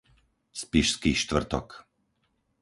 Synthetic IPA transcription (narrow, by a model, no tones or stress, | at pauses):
spiʃskiːʃt̪ʋr̩t̪ɔ̰k